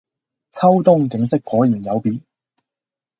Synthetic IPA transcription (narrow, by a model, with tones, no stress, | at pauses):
t͡sʰɐ˥wt̪ʊ˥ŋkɪ˨˥ŋsɪ˥kːɔː˨˥jiː˨˩njɐ˨˧wpiː˨˥n